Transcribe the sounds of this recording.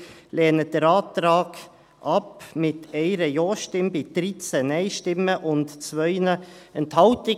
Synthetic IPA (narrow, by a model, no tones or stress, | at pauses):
lɛːnəd̥əɾɑːtɾɑːɡ̥ | ʔɑpmɪt̪ɛɪɾəjoːʃtɪmbɪd̪̥ɾit͡sɛnɛɪʃtɪmːəʔʊntt͡svœʏnəɛnthɑltɪ